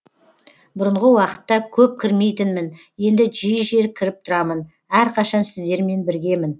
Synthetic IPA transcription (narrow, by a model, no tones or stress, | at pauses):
bʊɾəɴʁəwɑqə̥t̪ːɑkʲʰɵp̚kʲʰɪɾme̞jt̪ɪnmɪn | je̞nd̪ɪʒijʒe̞ɾkʲʰɪɾɪp̚t̪ʰʊɾɑmən | æɾqʰɑʃɑnsɪzd̪e̞ɾme̞nbɪɾɡʲe̞mɪn